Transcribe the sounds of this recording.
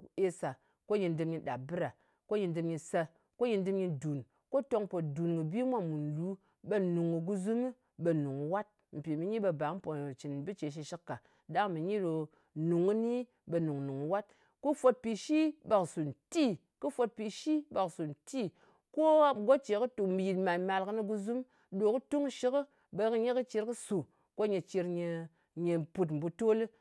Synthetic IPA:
e˧sa˨ | ko˦ji˧ndɨ˧mɲi˧ɗa˨bɨ˦ɾa˨ | ko˦ji˧ndɨ˧mɲi˧sa˧ | ko˦ji˧ndɨ˧mɲi˧du˨n | ko˦to˧ŋpo˨tdu˨nkɨ˨bi˦mʷa˦mu˨n˨lu˨˦ | be˧nu˨ŋu˨ɡu˧zu˦mɨ˦ | be˧nu˨ŋu˨wa˦t̚ | m̩˨pʲi˨mi˧ɲi˦ɓe˧ba˨˦m̩˦po˨t͡ʃi˨n˨bɨ˦t͡ʃe˨ʃ̬i˧ʃi˦kːa˨ | da˦ŋ˦mi˨ɲi˦ɾo˧ | nu˨ŋɨ˦ni˦ | be˧nu˨ŋ˨nu˨ŋu˨wa˦t̚ | ko˦fo˧t̚pi˨ʃi˦ba˨ksu˨n̩˨ti˦ | kɨ˦fo˧t̚pi˨ʃi˦ba˨ksu˨n̩˨ti˦ | ko˦ɡo˦t͡ʃe˨kɨ˦tu˨m̩˨ji˨tma˨nma˧lkɨ˦ni˧ɡu˧zu˦m | ɗo˨kɨ˦tu˦ŋ˦ʃi˦kɨ˦ | be˧kɨ˧ɲe˦kɨ˦t͡ʃi˧ɾkɨ˦su˨ | ko˦ɲe˧t͡ʃi˧ɾɲe˧ | ɲe˨pu˧t̬m̩˨bu˧to˦lɨ˦

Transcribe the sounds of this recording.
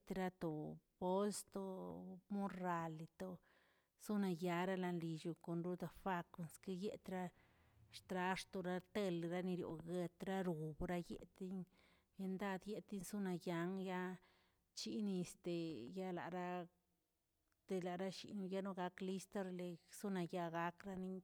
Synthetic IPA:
t̪ɾa˧t̪o˨bo˦lst̪o˧mo˦ɾa˨li˨t̪o˧ | su˦na˧ja˧ɾa˦la˧nli˨˧ʃu˧ko˨nɾu˦d̪a˧fa˧ko˧nski˦je˦t̪ɾa˦ | ʂt̪ɾa˧˦ʂt̪o˨ɾa˦t̪e˧lɾa˦ni˧ɾjo̰˨ɡe˧t̪ɾa˦ɾu˨bɾa˦jḛ˦t̪i˦ɲ | je˧nd̪a˦d̪je˦t̪i˦nsu˦na˧ja˧ŋja˦ | t͡ʃi˦ni˧st̪e˨ja˦˧la̰˨ɾa˦ | t̪e˧la˨ɾa˦ʃḭ˨nu˧ja˦no˧ɡa˧kli˦st̪e˦ɾle˧su˦na˧ja˧ɡa˧˦kɾa˦ni˦ɲ

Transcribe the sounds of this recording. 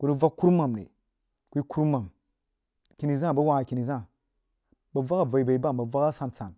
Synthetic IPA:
ku˦nu˦va˦kkːu˦ɾma˨mnḛ˨ | kʷi˦ku˦ɾma˨m | kʲi˨˦ni˨zã˦˨ba˦wa˦a˨ki˨ni˨zã˦˨ | ba˨va˦ka˨va˨i˨ba˨i˨˦ba˦˨ba˨va˦ka˦sa˨nt͡sa̰˨n

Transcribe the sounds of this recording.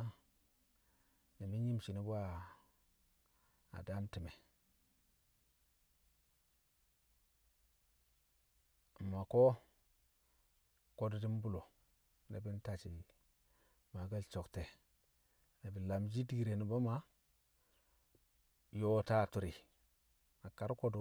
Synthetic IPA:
ni˨mi˦n˦ji˦mt͡ʃi˨ni˦bu˦a˦ | a̰˨da˦mti˨me˨ | ma˨ko˦ | ko˦ddi˦m˦bu˦lo˨ | nḛ˨bi˦n˦ta˨t͡ʃi˨ | ma˨ɡa˦˨lt͡ʃo˨kte˨ | ne˨bi˨la˨md͡ʒi˦di˦ɡi˨ɾe˨ni˨bo˦ma˦ | jo˦ta˦˨tu˨ɾi˨ | a˨ka˨ɾko˦du˨˦

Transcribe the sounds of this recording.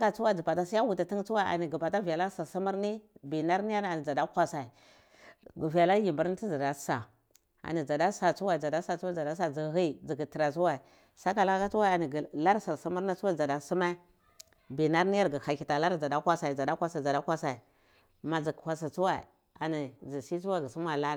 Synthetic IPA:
ka˨t͡su˦wa˦˨d͡zi˨pa˨ta˦si˦ja˦wu˨ta˨ti˦ŋ˦t͡su˦wa˦ʔa̰˨ni˨ɡi˨pa˨ta˦vi˨ja˨la˦si˨ɾsi˦mu˦ɾni˦bi˨na˦ɾni˦ja˦ɾa˨ni˨d͡za˨da˦kʷa˦sa˨i˨ | ɡu˨vi˨ja˨la˦ji˨mbu˨ɾi˦ti˦d͡za˨da˨˦sa˨ | a̰˨ni˨d͡za˨da˦sa˨t͡su˦wa˦i˨d͡za˨da˦sa˦t͡su˦wa˦d͡za˨da˦s̬a˦˨d͡zi˨ɣi˦˨d͡zi˨ɡi˨ti˨ɾa˨t͡su˦wa˦i˨ | sa˦ka˨la˦ka˦t͡su˦wa˦a˨ni˨ɡla˦ɾsi˨ɾsu˦mu˦ɾna˦t͡swa˦˨d͡za˨da˨su˦ma˦ | bi˨na˦ɾni˦ja˦ɾɡə˨ha˨ki˨ta˨la˦ɾd͡za˨da˦kʷa˦sa˨i˨d͡za˨da˦kʷa˦sa˨a˨da˦kʷa˦sa˨i˨ | ma˨d͡zi˨kkʷa˨s̬a˨t͡su˦wa˦i˨ | a˨ni˨d͡zi˨si˦u˦wa˦˨ɡə˨su˦m˦a˨la˦

